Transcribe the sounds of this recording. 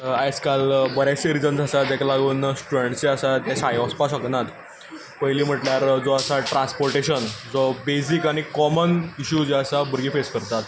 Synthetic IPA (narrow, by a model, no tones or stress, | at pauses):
ajskalbəɾjajseɾid͡zənd͡zʱasad͡ʑɛkalaɡuːnsʈɾuɾeɳʈt͡seəsajasajɔspasəknat̪ | pəɦjliːm̤əʈljaɾd͡zɔəsaʈɾãnspoɾʈeɕənd͡zɔbesikaɽ̃ikɔməniɕud͡ʑəsabəɾɡiːfeskəɾt̪at̪